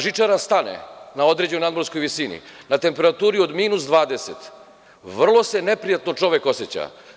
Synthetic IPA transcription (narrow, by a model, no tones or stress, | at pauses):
ʒit͡ʂaɾast̪anḛnao̞d̪ɾe̞d͡ʑenojnad̪mo̞ɾsko̞jʋisinḭnat̪e̞mpe̞ɾat̪uːɾio̞d̪miːnusd̪ʋaːd̪e̞sḛt̪ | ʋr̩lˠo̞se̞ne̞pɾijat̪no̞t͡ʂo̞ʋeko̞set͡ɕa̰